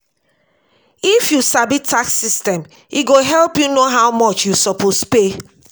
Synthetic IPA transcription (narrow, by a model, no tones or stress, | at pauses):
ifjusabitʰːaksistɛ̃m | iɡoɦɛlpjunoɦawmɔt͡ʃjusɔpʰospe